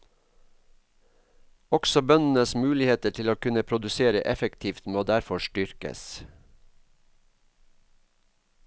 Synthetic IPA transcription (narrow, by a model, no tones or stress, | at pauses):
ɔɡsɔbœnn̩əsmʉːlɪheːt̪əʈʰɪloːkʉnəpʰɾʊd̪ʉseːɾə̰ʔɛfəkt̪ʰiːft̪moːd̪æɾfɔʃʈʏɾkə̰s